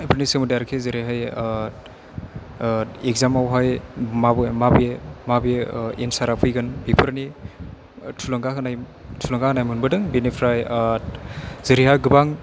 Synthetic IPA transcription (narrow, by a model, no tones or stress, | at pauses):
pʰɯɾnisɯmɯdaɾkʰezɯɾiɦaj | ek̚zamawɦajmabɯmabemabeensaɾapʰujɡɯnbipʰɯɾni | tʰulɯŋɡakɯnaj | tʰulaŋɡahanajmɯnbɯdɯŋbinepʰɾaj | zɯɾihaɡɯbaŋ